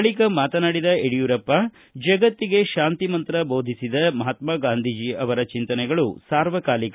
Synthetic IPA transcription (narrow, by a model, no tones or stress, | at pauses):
ɭikɐmaːt̪ɐnaɽid̪ɐeɽijuɾɐpːɐ | d͡ʒɐɡɐt̪ːiɡe̞ʃaːnt̪imɐnt̪ɾɐbo̞ːd̪ʱisid̪ɐmɐɦat̪maɡaːnd̪ʱid͡ʒiɐʋɐɾɐt͡ʃint̪ɐnɛɡɐɭusaːɾʋɐkaːlik